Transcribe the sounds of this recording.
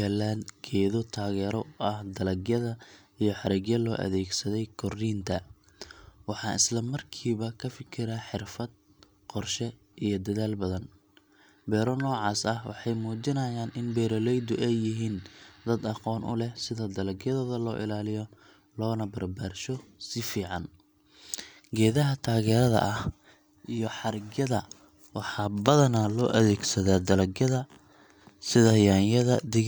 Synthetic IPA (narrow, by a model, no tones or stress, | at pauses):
aːlːaːnɡʰɛːðɔt̪ʰaːɣɛːɾɔɐhd̪ɐlɐɡjɐðɐ | ijɔħɑɾɛɡjɐlɔːʔɐ̰ðɛːɡsɐðɛjkʰɔriːnt̪ʰɐ | wɑħɑːɪslɐmɐrkʰiːβɐkʰɐfɪkʰɪɾɐħɪrfɐd̪̚ | qɔrʃɛ | ʔijɞd̪ɐðaːlbɐðɐn | bɛːɾɔnɔːʕɑːsɐhwɑ̰ħɑjmuːt͡ʃɪnɐjaːnʔɪnbɛːɾɔlɛjd̪ʊʔɛjːɪɦiːnd̪ɐd̪ɑqɔːnʔʊ̰lɛhsɪðɐd̪ɐlɐɡjɐðɔːðɐlɔ̰ːʔɪlaːlɪjɔ | lɔːnɐbɐrbaːrʃɔsɪfiːʕɑn | ɡɛːðɐɦɐt̪ʰaːɣɛːɾɐðɐ̰ʔɐh | ʔijɔħɑɾɡjɐðɐ | wɑħɑːbɐðɐnɐlɔːʔɐðɛːɡsɐðaːd̪ɐlɐɡɐðɐ | sɪðɐjaːnjɐðɐd̪ɪ